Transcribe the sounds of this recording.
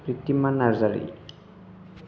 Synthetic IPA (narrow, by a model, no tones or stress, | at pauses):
pɾit̪ːimanaɾzaɾḭ